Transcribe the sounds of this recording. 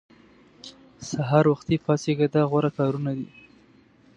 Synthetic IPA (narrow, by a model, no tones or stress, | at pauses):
saɦɑɾwaxt̪ipɑseɡad̪aɣwaɾakɑɾunad̪ḭ